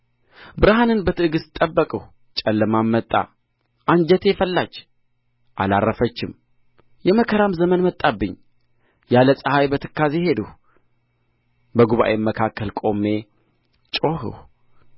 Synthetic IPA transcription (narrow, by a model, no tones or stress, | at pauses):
bɨɾaɦanɨnbət̪ʰɨʔɨɡɨsɨ̥t̪ʼːəbːəkʼəh | t͡ʃʼɛlːəmamːət̪ʼːa̰ | ʔand͡ʒɛt̪ʰefəlːat͡ʃː | ʔalarːəfət͡ʃːɪm | jɛməkʰəɾamzəmənmət̪ʼːabːɨɲː | jaləsʼəhajbət̪ʰɨkːazehe̞d̪uh | bəɡuβa̰ʔemːəkʰakːəlkʼo̞mːe̞ | t͡ʃʼo̞ɦɨ̰h